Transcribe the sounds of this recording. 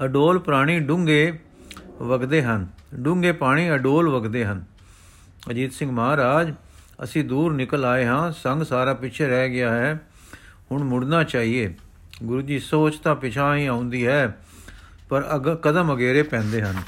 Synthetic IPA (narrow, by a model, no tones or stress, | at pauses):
əɖoːlpɾaːɽ̃iːɖʊ̃ŋɡeː | ʋəɡd̪eːɦənɖʊŋɡeːpaːɽ̃iːəɖoːlʋəɡd̪eːɦən | əd͡ʒiːt̪sɪ̃ŋɡmaːɾaːd͡ʒ | ə̰sĩːd̪uːɾnɪkəlaːeːɦãːsəŋɡsaːɾaːpɪtːt͡ʃʰeːɾɛːɡɪaːɦɛː | hʊɳmʊɽnaːt͡ʃaːɦieː | ɡʊɾuːd͡ʒiːsoːt͡ʃt̪ãːpɪt͡ʃʰãːɦĩːaːʊ̃nd̪iːɦɛː | pəɾəɡkəd̪əməɡeːɾeːpɛ̃ːnd̪eːɦən